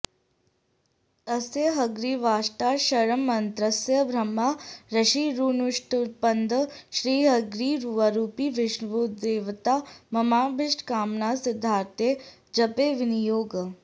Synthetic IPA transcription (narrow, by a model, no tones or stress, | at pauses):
əseɦɐɡɾiːʋaːʃʈaːʃɐɾəmːɐnt̪ɾəsjəbʱɾɐmːaɾɐʃiːɾuːnuʂʈpɐnd̪əʃɾiːɦəɡɾiːɾuʋaɾuːpiːʋɪʃnʋuːt̪d̪eːʋt̪aːmɐmaːbɪʃʈʰkaːmnaːsɪd̪ʱːaːɾt̪je | d͡ʒɐpeːʋɪnijoːɡ